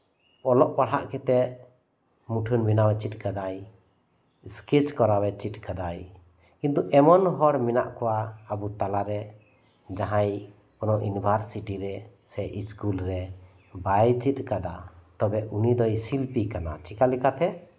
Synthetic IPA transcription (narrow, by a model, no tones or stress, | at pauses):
ɔlɔʔpaɽaʔkɛt̪ɛʔ | muʈʰunbinawɛt͡ʃit̪̚kad̪aj | skit͡ʃkɔɾawɛt͡ʃit̪̚ˀkad̪aj | kĩnt̪uʔɛmɔnɦɔɽmina̰ʔkɔwaəbut̪alaɾɛ | d͡ʒaɦaj | pɔnɔʔunibʱaɾsiʈiɾɛ | sɛʔiskulɾɛ | bajt͡ʃit̪̚kad̪at̪ɔbɛunid̪ɔjsilpikana̰t͡ʃikalɛkat̪ɛ